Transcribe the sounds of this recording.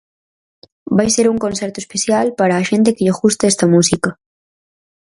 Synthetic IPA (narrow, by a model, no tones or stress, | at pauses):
bajseɾuŋkõnsɛɾt̪ʊespeθjalpaɾaːʃent̪̬ekeʎaɣust̪aɛst̪ɐmusikɐ